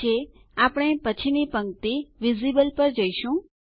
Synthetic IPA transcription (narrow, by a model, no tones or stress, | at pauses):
e | apɳ̃epət͡ʃʰinipəŋkt̪iʋizibəlpəɾd͡ʒəiʃũ